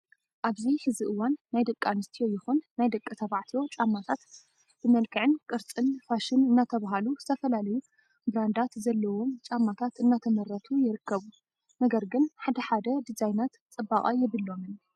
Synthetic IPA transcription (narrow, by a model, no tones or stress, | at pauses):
ʔaβzihɨziʔɨwanːajd̪ɐkʼːanɨst̪ʰijo̞jɪxunːajd̪ɐkʼːɨt̪ʰɐβaʕt̪ʰijo̞t͡ʃʼamːat̪ʰat̪ | b̥ɨmɐlkʰɨʕɨnkʼɨɾt͡sʼɨnfaʃɨnɨnːat̪ʰɐβaɦaluzɨ̥t̪ʰɐfɐlalɐju | bɾand̪at̪zɐlːɐwo̞mt͡ʃʼamːat̪ʰat̪ɨnːat̪ʰɐmɐɾɐt̪ʰujɪɾɨkʰːɐβu | nɐɡɐɾɡɨnħad̪ɐħad̪ɐd̪izajnat̪t͡sʼɨbːaχʼajɛβɨlːo̞mɨn